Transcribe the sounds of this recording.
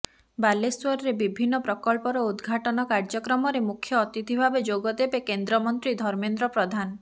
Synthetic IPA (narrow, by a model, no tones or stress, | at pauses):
baleswɔɾɾebibʱinːɔpɾɔkɔlpɔɾɔud̪ɡʱaʈɔnɔkaɾd͡ʒɔkɾɔmɔɾemukʰjɔːt̪it̪ʰibʱabed͡ʒoɡɔd̪ebekend̪ɾɔmɔnt̪ɾid̪ʱɔɾmend̪ɾɔpɾɔd̪ʱan